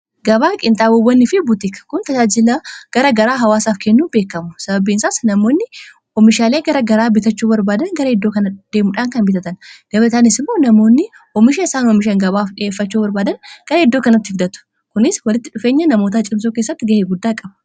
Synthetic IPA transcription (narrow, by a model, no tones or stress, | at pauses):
ɡɐbaːkʼɪnt̪ʼaːbɔwːɐnːɪfɪbʊt̪ɪkɐ̥kʊnt̪ɐd͡ʒaːd͡ʒɪlɐɡ̥ɐɾɐɡɐɾaːɦɐwaːsaːfkʰɛnːuːnbe̞ːkːɐmʊsɐbɐbiːnsaːsnɐmo̞ːnːɪ | ɔmɪʃaːle̞ːɡɐɾɐɡɐɾaːbɪt̪ɐt͡ʃːuːbɐɾbaːd̪ɐnɡɐɾɐɪd̪ːoːkɐnɐd̪̥e̞ːmʊᶑaːŋkɐnbɪt̪ɐt̪ɐnɡ̥ɐbɐt̪aːnɪsɪmːo̞ːnɐmo̞ːnːɪ | ɔmɪʃɐɪsaːnɔmɪʃɐŋɡɐbaːfᶑɪeːfːɐt͡ʃːuːbɐɾbaːd̪ɐnɡ̥ɐɾɐɪd̪ːoːkɐnɐt̪ːɪhɪɡd̪ɐt̪ʊ̥ | kʊnɪswɐlɪt̪ːɪᶑʊfe̞ːɲːɐnɐmo̞ːt̪at͡ʃʼɪms̬oːkeːsːɐt̪ːɪɡɐheːɡʊd̪ːaːkʼɐbɐ